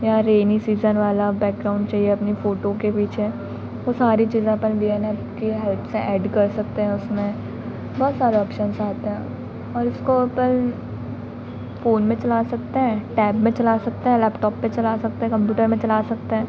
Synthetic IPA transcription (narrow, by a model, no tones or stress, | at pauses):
jaɾeːnisiːzənʋaːlabɛːk̚ɡɾaːʊ̃ɳɖt͡ʃaːieɐpnifoːʈokepiːt͡ʃʰe | ʋosaːɾit͡ʃiːzẽɐpənbiɛnɛpkeɦɛlt̪ʰseʔɛːɖkɐɾsɐk̚t̪eɦɛ̃ʊsmẽ | bɔːt̪saːɾeɔːpʃənsaːt̪eɦɛ̃ː | ɔːɾʊskoɐpən | foːnmẽt͡ʃɐlaːsɐk̚t̪eɦɛ̃ːʈɛːbmẽt͡ʃɐlaːsɐk̚t̪eɦɛ̃lɛːpʈɔːpːẽt͡ʃɐlasɐk̚t̪eɦɛ̃kɐ̃mpjuːʈəɾmẽt͡ʃɐlaːsɐk̚t̪eɦɛ̃ː